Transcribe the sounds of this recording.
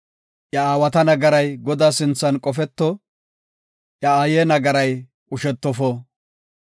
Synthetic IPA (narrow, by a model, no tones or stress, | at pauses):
ʔjɐaːwɐt̪ɐnɐɡɐɾɐjɡɔd̪aːsɪnt͡sːɐnkʼɔfɛt̪ːɔ | ʔjɐaːjeːnɐɡɐɾɐj | kʼʊʃɛt̪ːɔfɔ